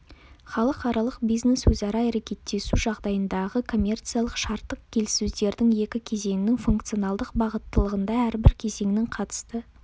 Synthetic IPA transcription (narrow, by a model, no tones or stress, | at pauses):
χɑlˠəqɑɾɑlˠəqbijzne̞swɵzɑɾɑæɾekʲe̞t̪ːe̞suʒɑʁd̪ɑjənd̪ɑʁəkʰo̞mʲe̞rt̪sijalˠəqʃɑɾt̪ːəq̚kʲʰe̞lɪsuzd̪e̞ɾd̪ɪŋje̞kʲɪkʲʰe̞ze̞ŋɪnɪŋfuŋkt̪sijo̞nɑlˠd̪əqbɑʁət̪ːəlˠəʁənd̪ɑæɾbɪɾkʲʰe̞ze̞ŋɪnɪŋqʰɑt̪ə̥st̪ə